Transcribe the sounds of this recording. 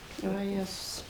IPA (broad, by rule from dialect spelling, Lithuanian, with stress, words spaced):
ʋɐˈjæːzʊs